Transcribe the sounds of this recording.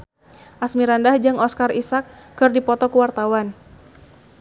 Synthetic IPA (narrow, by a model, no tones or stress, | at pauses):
ʔasmiɾandahd͡ʒɨŋɔskarisakːɨrdipɔt̪ɔkuwart̪awan